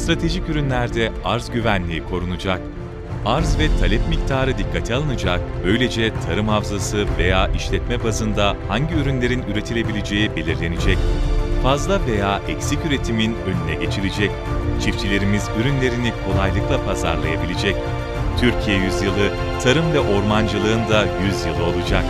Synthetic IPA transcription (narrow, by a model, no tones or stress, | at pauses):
st̪ɾat̪ʰe̞ʒicyɾynlʲæɾd̪ɛaɾzɟyvænlʲiːikʰo̞ɾunud͡ʒak | aɾzvɛt̪ʰalʲɛpmict̪ʰaːɾɯd̪ikʰːat̪ʰialˠɯnɯd͡ʒak̚bø̞jlʲed͡ʒɛt̪ʰaɾɯmhafzasɯve̞̰jaːʔiʃlʲɛt̪mɛbazɯnd̪ahaɲɟiyɾynlʲe̞ɾinyɾe̞t̪ʰilʲe̞bilʲed͡ʒe̞jibelʲiɾlʲe̞nid͡ʒɛcfazlˠave̞jaːʔɛcsicyɾet̪ʰiminønʲynɛɟe̞t͡ʃʰiɾed͡ʒɛc̚ | t͡ʃʰift͡ʃʰilʲe̞ɾimizyɾynlʲe̞ɾinikʰo̞lˠajlˠɯklˠapʰaza̰ɾlˠajabilʲed͡ʒɛc | t̪ʰyɾcʰijɛjyzjɯlˠɯ | t̪ʰaɾɯmvɛʔo̞ɾmand͡ʒɯlˠɯɯnd̪ajyzjɯlˠɯo̞lˠud͡ʒak̚